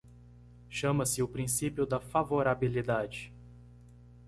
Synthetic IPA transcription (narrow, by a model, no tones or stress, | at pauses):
ʃɐ̃mɐsɪʊpɾĩsipjʊd̪ɐfavoɾabilid̪ad͡ʒɪ